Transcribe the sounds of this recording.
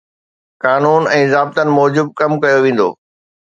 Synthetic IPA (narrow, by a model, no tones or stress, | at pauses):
kaːnuːnɛ̃ːzaːb̚t̪ənɪ̆mɔːd͡ʑɪb̚kɐmkɐjoʋẽːn̆d̪o̰ː